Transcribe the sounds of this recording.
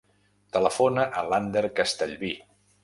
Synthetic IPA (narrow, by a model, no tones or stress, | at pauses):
t̪ələfonəʔəland̪əɾkəst̪əʎβi